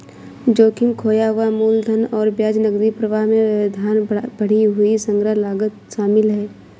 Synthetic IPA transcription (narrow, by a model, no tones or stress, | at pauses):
d͡ʒoːkɪmkʰoːjaʋamuːld̪ʱənɔːɾbjaːd͡ʒnəɡd̪ipɾəʋaɦmẽd̪ʱaːnb̥əɽ̤iɦʊisə̃ŋɡɾəɦlaːɡət̪ʃaːmɪlɦɛː